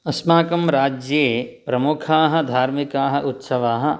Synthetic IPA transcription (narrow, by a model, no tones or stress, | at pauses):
ɐsmaːkɐmɾaːd͡ʒjeːpɾɐmukʰaːɦɐ̆d̪ʱaːɾmikaːɦɐ̆ʔut̪sɐʋaːɦɐ̆